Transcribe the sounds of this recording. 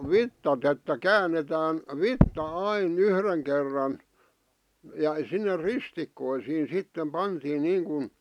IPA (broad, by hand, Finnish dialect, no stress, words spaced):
ʋitːɑt etːæ kæːnːetæːn ʋitːɑ ɑin yhreŋ kerːɑn jɑ sinːe ristikːoisiːn̞ sitːem pɑntiːn niːŋkun